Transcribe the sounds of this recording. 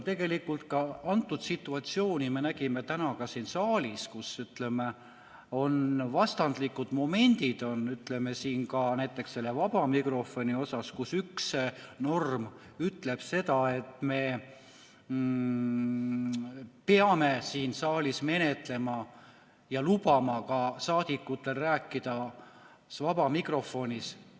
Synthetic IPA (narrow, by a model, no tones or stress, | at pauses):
t̪e̞ɡ̥e̞likːˑult̪kɑɑnt̪ːˑud̪̥sit̪ːˑuɑt̪sio̞ːnʲime̞næɡ̥ime̞t̪ænɑkɑsiːnsɑːlʲiskusyt̪le̞me | o̞nvɑst̪ɑnd̪̥likːˑud̪̥mo̞me̞nʲd̪̥id̪̥o̞nyt̪le̞mesiːnkɑnæjt̪ːˑe̞ksːe̞lːe̞vɑb̥ɑmikro̞fo̞nʲio̞sɑskusyksno̞rm | yt̪ːle̞b̥se̞d̪ɑe̞t̪me̞ | peɑme̞siːnsɑːlʲisme̞ne̞t̪ˑle̞mɑ | jɑlub̥ɑmɑkɑsɑːd̪̥ikːˑut̪ːˑe̞lræːkːˑid̪̥ɑ | vɑbɑmikro̞fo̞nʲis